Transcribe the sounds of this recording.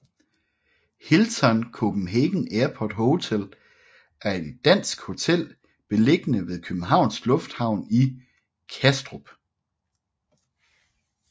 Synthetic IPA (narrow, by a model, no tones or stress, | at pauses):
hilt͡sʰɒnkʰob̥n̩ɦeɡ̥n̩eːɐpʰɒ̰d̥ɦoʊt͡sʰel | æɐe̝d̥ːæn̰sɡ̥ho̝t͡sʰel̰ | b̥e̝le̝ɡ̥ənəʋe̝ðˠkʰøb̥n̩ɦɑ̈ʊ̰nsɡ̥lɔ̽fd̥hɑ̈ʊ̰ni | kʰæsd̥ʁob̥